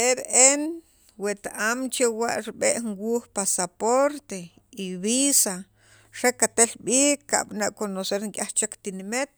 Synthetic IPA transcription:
ebeʔen | wet̪aʔamt͡ʃewaʔɾiɓeʔŋwuːxpasapoɾt̪e | iβisa | ɾekat̪elɓiːkːa̰ɓanaʔkonoseɾŋkʼaht͡ʃekt̪inimet̪̚

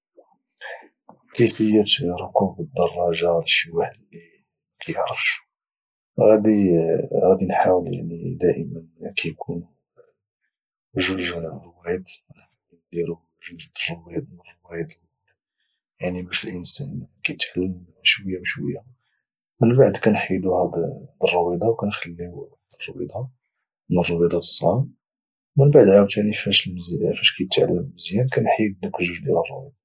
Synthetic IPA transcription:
kəfəjːət̪ɾˤokubəd̪ːɑrˤːɑʒɑwlʃːəwæħlːi | kʰæjəʕɾəfʃ | ɣæd̪iɣæd̪inħawəlja̰ʕnid̪æʔəmənkæjkʰun | ʒuʒrwæd̪nknd̪iɾu | ʒuʒd̪rˤːowæd̪mnrˤːwæjd̪ | jaʕnibæʃəlʔənsænkæjət̪ʕalːəm | ʃwəjːawʃwə̰jːa | mənbaʕd̪kænħid̪uhæd̪d̪ərˤːɑwid̪ˤɑwkænxælːiwhd̪ərˤːɑwḭd̪ˤɑ | ənərˤːɑwid̪ˤɑd̪ə̥sˤːɑ̰m | mənbaʕd̪ʕawt̪anifæʃəlməzæfæʃkæjət̪ʕa̰lːəməzjænkænħid̪əkəʒuʒd̪jæ̰lərˤːɑwid̪ˤɑ

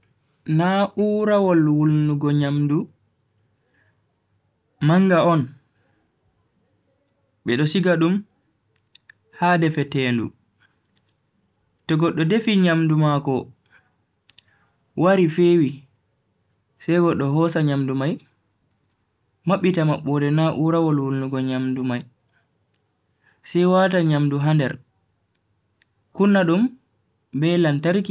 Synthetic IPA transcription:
naʔuɾawɔlwulnuɡɔɲamdu | maŋɡaɔn | ɓɛɗɔsiɡaɗum | haːdɛfɛtɛːndṵ | tɔɡɔɗːɔdefiɲamdumakɔ | waɾifeːwi | sɛjɡɔɗːɔɦɔsaɲamdumaj | maɓːitamaɓːɔdɛnaʔuɾawɔlwulːuɡɔɲamdumaj | sɛjwataɲamduɦandɛɾ | kunːaɗum | bɛlantaɾki

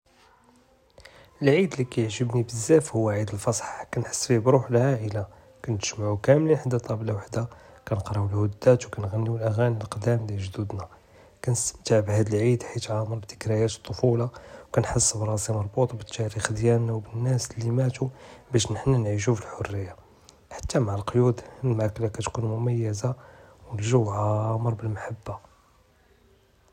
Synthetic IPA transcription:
ʔəlʕid̪likæjʕʒəbnibəzːæfhʊwːaʕid̪əlfɑsˤħkænħə̥sːfibɾˤuħlʕaʔəla | kænt̪ə̥ʒmaʕukæmlinħad̪ːæt̪ˤɑblawaħd̪akænəqɾˤɑəlhʊd̪ːæt̪wkænɣænːiwəlʔæɣæniəlqd̪æmliʒd̪ud̪næ | kænəst̪əmt̪aʕbhæd̪əlʕid̪ħit̪ʕɑməɾbt̪ə̥kɾæjæt̪t̪ˤːofulɑwkænħəsːbɾˤɑsimɑɾˤbut̪ˤbət̪ːæɾixd̪jænːæwbənːæslimæt̪ubæʃ̬nəħnænʕiʃ̬ufəlħorːəjːa | ħḁt̪ːamaʕəlqjud̪lmaklækæt̪kunmʊmæjːəzawnʒuwʕaməɾˤbəlmaħabːa

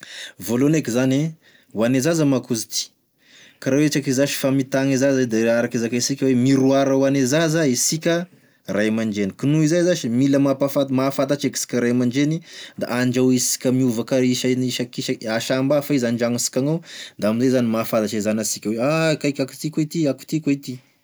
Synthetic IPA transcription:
volonekizane | wanezazəmakuzit̪i̥ | kaɾawet͡ʃakizaʃi̥famit̪aŋizazad̪eaɾakizakaisikʲəwemiɾuaɾawanezazəisikʲə | rajmaɳd͡ʒenikinuizajzaʃimiləmapafat̪mafat̪at͡ʃeki̥si̥kʲəɾajmaɳd͡ʒenid̪a̰ʔaɳd͡ʒawisi̥kʲəmiuvakaiʃaniʃakiʃaaʃambafaizanɳd͡ʒaŋisi̥kʲaŋawd̪aaminzajzanimafat̪at͡ʃaizanasikʲəweakajkʲaku̥t̪ikwet̪iaku̥t̪iket̪i

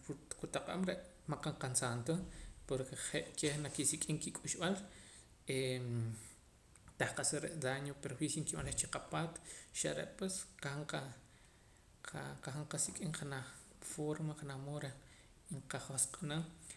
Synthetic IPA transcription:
ɾuqut̪aqʼa̰mɾeʔ | maqaɴqansant̪opoɾkeχeʔkehnakisikʼiŋkikʼuʃɓal | e | t̪ahqasaɾeʔd̪aɲopeɾoxwixiŋkiɓanleχt͡ʃiqapaːt̪ʃa̰ɾḛʔpwesqahaɴqa | qaxaɴqasikʼiŋχanaχ | foɾmaχanamoɾe | ɴqaχosqʼanam

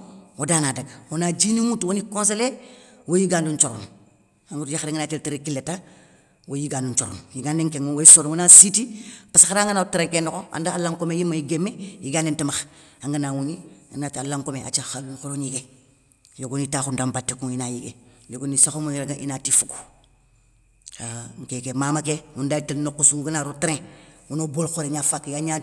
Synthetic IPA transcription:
wodaːnadaɡawonad͡ʒinimutwonikõns̬elewojiɡaːndunt͡ʃoɾo̰n | aŋɡutjaxadeŋɡanateltiɾekilːeta | wʔojiɡaːndunt͡ʃoɾo̰njiɡaniŋkeŋowoisoɾwonasitipasxaɾaŋɡanatiɾekenokoa̰ndaalaŋkomejimajiɡemːejiɡandentimaxaŋɡanawunianatalaŋkomea̰t͡ʃaxaɡuŋxoɾoniɡe | joɡonitaxundambatːikuŋinajiɡejoɡonisaxomuiɾaɡaʔḭnatifuɡu̥ | aŋkekemaːmakewundatilnokːusuɡanaɾotɾẽwunobolxoɾeɲafakːjaɲa

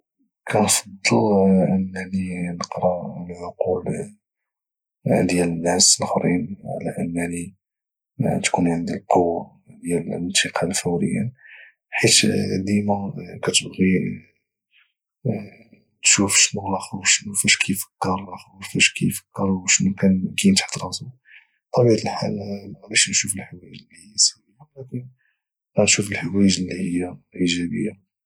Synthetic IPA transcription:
kʰænfɑd̪ˤːəlʕənːæninəqɾˤɑlʕoqul | d̪jælənʕasəlxɾinʕ̰læ̰ʔənːænḭ | t̪kunʕənd̪ilqowː | d̪jælənt̪əqʰɑlfəwɾə̰jːæ̰n | ħit̪d̪imækæt̪əbɣi | nʃufʃnʊɣlɑxwʃnufæʃkʰijfə̥kːəɾˤxfæʃkijfə̥kːəɾˤwʃnukænkint̪ħt̪ɾˤɑsu | t̪ˤɑbid̪əlħa̰lmbæʃnʃufəlħwæjʒəlːihijːæsæwijalækən | ɾɑnʃufəlħawæjʒəlːihəjːaʔiʒæbə̰jːa

